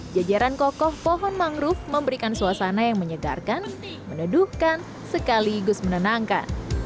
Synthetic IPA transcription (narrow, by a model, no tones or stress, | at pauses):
d͡ʒad͡ʒaɾankɔkɔhpɔɦɔnmaŋɾʊfməmbəɾikansuasanajaŋməɲəɡa̰rkan | mənuduhkan | səkaliɡʊsmənənaŋka̰n